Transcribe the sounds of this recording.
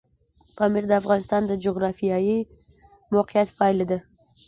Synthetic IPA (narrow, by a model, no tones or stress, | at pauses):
pɑmɪɾd̪əafɣɑnɪst̪ɑnd̪əd͡ʒʊɣɾɑfijɑji | moqɪjat̪fɑled̪a